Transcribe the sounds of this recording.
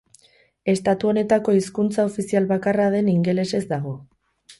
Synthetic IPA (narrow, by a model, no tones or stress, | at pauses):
e̞st̪at̪uo̞ne̞t̪ako̞iskunt͡saofisialβakarað̞e̞niŋɡe̞le̞se̞zd̪aɣo̞